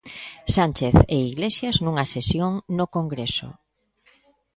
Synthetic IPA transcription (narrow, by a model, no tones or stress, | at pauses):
sant͡ʃeθeiɣlesjaznũŋasesjoŋnokoŋɡɾeso̰